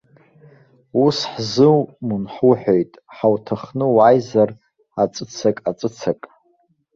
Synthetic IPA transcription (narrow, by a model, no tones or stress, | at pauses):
usħzɨwmunħuħᶣojtʼħawtʰaχnɨwajzar | at͡sʼɨt͡sʰakʼat͡sʼɨt͡sʰakʼ